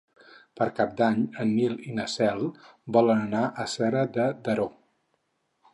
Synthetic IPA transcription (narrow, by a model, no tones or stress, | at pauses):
pəɾkap̚d̪aɲənːilinəsɛlˠbɔlənənaʔəsɛɾəd̪əd̪əɾo